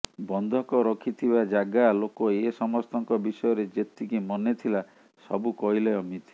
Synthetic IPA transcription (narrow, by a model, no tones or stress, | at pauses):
bɔnd̪ʱɔkɔɾɔkʰit̪ʰibad͡ʒaɡalokɔesɔmɔst̪ɔŋkɔbisɔjɔɾed͡ʒet̪ikimɔnet̪ʰila | sɔ̰bukɔileɔmit̪i̥